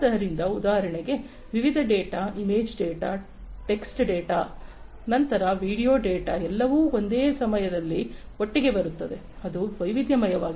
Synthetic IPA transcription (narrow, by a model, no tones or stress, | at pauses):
ɐɾind̪ɐud̪aːɦɐɾɐɳeɡe̞ | ʋiʋid̪ʱɐɖeːʈaːimeːd͡ʒɖeːʈaː | ʈe̞ksʈɖeːʈaː | nɐnt̪ɐɾɐʋiːɽijo̞ːɖeːʈaːɛlːɐʋuːo̞nd̪eːsɐmɐjɐd̪ɐlːi | oʈːiɡe̞bɐɾut̪ːɐd̪e̞ | ɐd̪uʋɐjʋid̪ʱjɐmɐjɐʋaːɡi